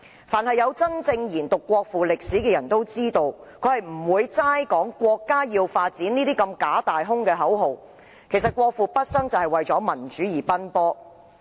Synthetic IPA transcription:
faː˨˩nhɐ˨jːɐ˨˧wt͡sɐ˥nt͡sɪ˧ŋjiː˨˩nt̪ʊ˨kʷːwɔː˧k̚fuː˨˩lɪ˨k̚siː˨˥kɛː˧jɐ˨˩nt̪o˥wt͡siː˥t̪o˧wkʰɵ˨˧˥hɐ˨jm̩˨˩wuː˨˧jt͡saː˥jkɔː˨˥ŋkʷɔː˧kːaː˥jiː˧wfaː˧t̚t͡siː˨˥niː˥t̪iː˥kɐ˧mkaː˨˥t̪aː˨jɦʊ˥ŋkɛː˧ɦɐ˨˥wɦo˨w | kʰe˨˩js̬ɐ˨t̚kʷɔː˧k̚fuː˨˧pɐ˥t̚sɐ˥ŋt͡sɐ˨whɐ˨jwɐ˨jt͡sɔː˨˥mɐ˨˩nt͡ʃyː˨˥jiː˨˩pɐ˥npɔː˥

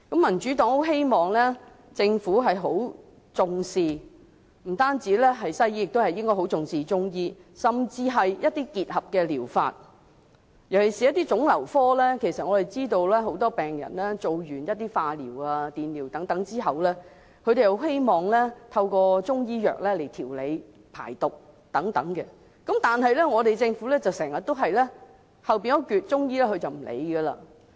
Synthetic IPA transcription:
kɐ˨˥mːɐ˨˩nt͡ʃyː˨˥t̪ɔː˨˥ŋho˨˥wɦe˥jmɔː˨˩ŋlɛ˥ | t͡sɪ˧ŋfuː˨˥ɦɐ˨jɦo˨˥w | t͡sʊ˨ŋsiː˨˧ | m̩˨˩t̪aː˥nt͡siː˨˥lɛː˥ɦɐ˨jsɐ˥jiː˥jɪ˨k̚t̪o˥hɐ˨jɪ˥ŋkɔː˥jɦo˨˥wt͡sʊ˨˧ŋsiː˨t͡ʃʊ˥ŋjiː˥sɐ˨˩mt͡siː˧ɦɐ˨jjɐ˥t̚t̪iː˥kiː˨t̚hɐ˨p̚kɛː˧liː˨˩wfa̰ː˧t̚ | jɐ˨˩wkʰe˨˩siː˨jɐ˥t̪iː˥t͡sʊ˨˥ŋlɐ˨˩wfɔː˥lɛː˥kʰe˨˩jsɐ˨t̚ŋɔː˨˧ɾe˨jt͡siː˥t̪o˧wlɛː˥ɦo˨˥wt̪ɔː˥pɛː˨ŋjɐ̰˨˩nlɛː˥t͡so˨wjyː˨˩njɐ˥t̚t̪ːiː˥faː˧liː˨˩waː˧t̪iː˨nliː˨˩wt̪ɐ˨˥ŋt̪ɐ˨˥ŋt͡siː˥ɦɐ˨wlɛː˥ | kʰɵ˨˧ɥɾe˨jho˧˥whe˥jmɔː˨ŋlɛː˥t̪ʰɐ˧wkɔː˧t͡sʊ˥ŋjiː˥jœ̰ː˨k̚lɛː˥le˨˩jt̪ʰiː˨˩wle˨˧j | pʰa̰ː˨˩jt̪ʊ˨k̚ | t̪ɐ˨˥ŋt̪ɐ̰˨˥ŋkɛ˧ | kɐ˨˥mt̪aː˨nɦɐ˨jlɛː˥ŋɔː˨˧t̪e˨jt͡sɪ˧ŋfuː˨˥lɛː˥t͡sɐ˨wsɛː˨˩ŋjɐ˨t̚t̪wɦɐ˨jlɛː˥ | hɐ˨wpi˨nkɔ˥kyː˨t̚t͡sʊ˥ŋjiː˥lɛː˥kʰɵ˨˧ɥt͡sɐ˨wm̩˨˩lḛ˨˧jɡɐ˧la̰ː˧

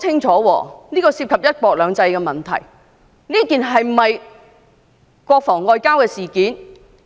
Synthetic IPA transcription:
t͡sʰɪ˥ŋt͡ʃʰɔː˨˥wɔ̰ː˧niː˥kɔː˧siː˧p̚kʰɐ˨p̚jɐ˥t̚kɔː˧k̚lœː˨˧ŋt͡sɐ˧jkɛː˧mɐ˨˩nt̪ʰɐ̰˨˩j | niː˥kiː˨˩nɦɐ˨jm̩˨˩mɐ˨j | kwɔː˧k̚fɔː˨˩ŋːɔː˧jkaː˥wkɛː˧siː˨˩kiː˨˥n

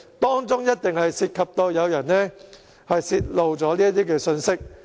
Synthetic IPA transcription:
t̪ɔː˥ŋt͡sʊ˥ŋjɐ˥t̚t̪ɪ˨ŋhɐ˨jsiː˨˧t̚kʰɐ˨p̚t̪o˧wjɐ˨˧wjɐ˨˩nnɛː˥ | hɐ˨jsiː˧t̚lo˨wt͡sɔː˨˥liː˥ɐ˥t̪̬iː˥kɛː˧sɵ˧nsɪ˥k̚

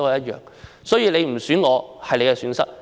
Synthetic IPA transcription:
hɐ˨jɐ˥t̚jœ̰ː˨ŋ | sɔː˨˥jiː˨˧wle˨˧jm̩˨˩syː˨˥nŋɔː˨˧hɐ˨jle˨˧jkɛ˧syː˨˥nsɐ˥k̚

